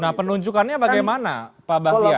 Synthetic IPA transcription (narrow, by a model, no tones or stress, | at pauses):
nahpənuɲd͡ʒukanɲabaɡajmana̰pabahia